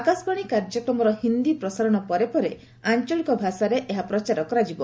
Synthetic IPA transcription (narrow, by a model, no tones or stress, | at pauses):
akaspaɽ̃ikaɾd͡ʒɔkɾɔmɔɾɔhind̪ipɾɔsaɾɔɽ̃ɔpɔɾepɔɾe | aɲt͡ʃɔlikɔbʱasaɾeʔeɦapɾɔt͡ʃaɾɔkɔɾad͡ʒibɔ